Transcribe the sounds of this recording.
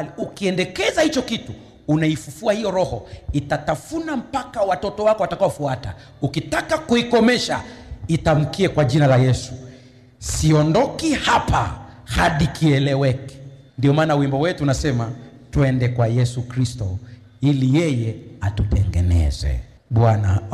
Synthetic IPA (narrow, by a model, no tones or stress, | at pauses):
iukiɛndɛkɛzahit͡ʃɔkituː | naifufuahijɔɾɔhɔitatafunam̩pakawatɔtɔwakɔwatakawɔfuata̰ | ukitakakuikɔmɛʃa̰itam̩kiɛkwaʄinalajɛsu | siɔndɔkihapa̰haɗikʰiɛlɛwɛkɛ̥ | ndiɔmaːnawimbɔwɛtuːnasɛma | tuɛndɛkwajɛsukɾistɔ | ilijɛjɛatutɛŋɡɛnɛ̰zɛ̰ | ɓwana̰